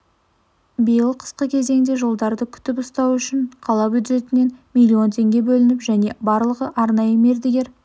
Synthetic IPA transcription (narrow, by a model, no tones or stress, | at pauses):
bijəlˠqʰə̥sqəkʲʰe̞ze̞ŋd̪e̞ʒo̞lˠd̪ɑɾd̪əkʲʰʏ̥t̪ɪpʊst̪ɑwʏʃɪɴqʰɑlˠɑbʲjud̪ʒe̞t̪ɪne̞nmilʲːio̞nt̪ʰe̞ŋɡʲe̞bɵlɪnɪpʒæne̞bɑɾlˠəʁəʔɑɾnɑjəme̞ɾd̪ɪɡʲe̞ɾ